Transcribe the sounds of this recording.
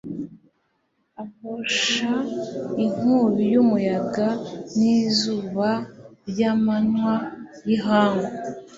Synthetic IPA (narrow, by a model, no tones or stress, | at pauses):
aβoʃaiŋ̥uβijumujaɡanizuːβaɾɟamanwajiɦaːŋɡo